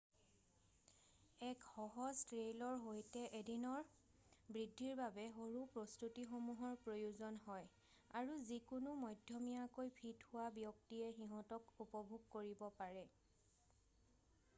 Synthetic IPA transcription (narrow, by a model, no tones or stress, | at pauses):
ɛkxɔɦɔztɹejlɔɹɦojtɛʔedinɔɹ | bɹidʱːiɹbabɛɦoɹupɹɔstutixomuɦɔɹpɹojuzɔnɦɔj | aɹuzikunʊmɔjdʱjɔmijakojpʰithʊwabjɔktiɛxiɦɔ̃tɔkupɔbʱuɡ̚koɹibɔpaɹɛ